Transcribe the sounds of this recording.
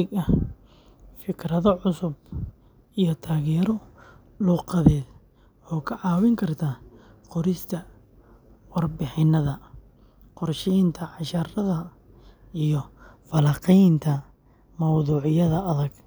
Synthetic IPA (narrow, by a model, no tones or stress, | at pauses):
ɪɡɐ | fɪkʰrɐðɐʕʊsʊb | ʔijɔt̪ʰaːɣɛɾɔ | luːqɑðɛːd | ɔːkʰɐʕɑːwɪŋkʰɐrt̪ʰaː | qɔɾɪst̪ʰɐ | wɑrbɪħɪnːɐðɐ | qɔrʃɛjnt̪ʰɐʕɑʃɐrɐðɐ | ijɔfɐlɐːqɛjnt̪ʰɐ | mɐwðuːʕɪjɐðɐɐðɐɡ